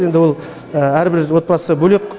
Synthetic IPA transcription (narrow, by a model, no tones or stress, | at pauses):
e̞nd̪ɪwolˠ | əæɾbɪɾwo̞t̪̚bɑsəbɵle̞k